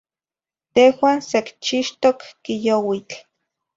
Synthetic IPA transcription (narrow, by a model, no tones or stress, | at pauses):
t̪ehwaːnsekt͡ʃiʃt̪okːijowit͡ɬ